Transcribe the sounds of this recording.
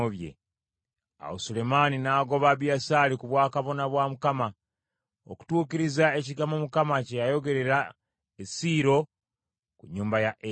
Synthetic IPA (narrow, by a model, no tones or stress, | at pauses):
oβje̞̰ | a̰wosule̞maninaːɡo̞βaβjasaːlikuβwaːkaβo̞naβwamukama | oku̥tuːkiɾizae̞ciɡamomukamacejajo̞ɡe̞ɾe̞ɾa | esiːɾo̞ | kuɲːuːmbajaʔe